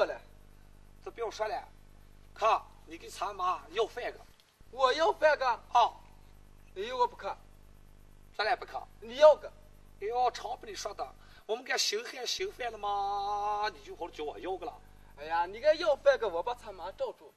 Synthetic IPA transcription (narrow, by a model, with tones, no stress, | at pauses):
kɔ˥˩lɛ˨˧ | t͡sə˥˩pi˧˥jʊ˧˩ʂwa˥˩lɛ˧˩ | kʰa˥˩ | ni˨˩ka˥˩t͡sʰa˧˥ma˧˥jo˥˧ʊfe˥˩ɡə˨ | wɔ˨˩jo˥˧ʊfe˥˧ɡə˧ɔ˥˩ | ni˨˩jo˥ʊɡə˧pu˧˩kʰa˥˩ | sa˥˩la˧˩pu˧kʰa̰˥˩ni˨˩jo˥˧ʊɡə˨˩ | e˧˩˦o˥˧˩ʈ͡ʂʰɑ˧˥ʊpi˧˥ni˨˩ʂwa˥t̪ə˨ | wɔ˨˩mə˦nka˥˧˩ɕi˧˥ŋfɛ˥˩ɕi˧˥ŋfɛ˥˧lə˧mə˧ | ni˨˩t͡ɕjxo˧˥˧t͡ɕjo˧˥wɔ̰˨˩jo˥ʊɡə˨lɐ̰˨˩ | a˧ja˨ni˨˩ka˥˧ɪjo˥˧ʊfe˥˩ɡə˧˨wɔ˨˩pa˥˩t͡sʰa˧˥ma˧˥ʈ͡ʂo˥˧ʊʈ͡ʂu˥˩